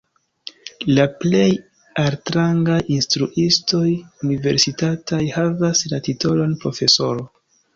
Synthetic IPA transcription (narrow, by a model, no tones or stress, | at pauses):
laple̞j | altɾaŋɡajinstɾuʔisto̞junive̞ɾsitatʰajhavaslatito̞lo̞npɾo̞fe̞so̞ɾo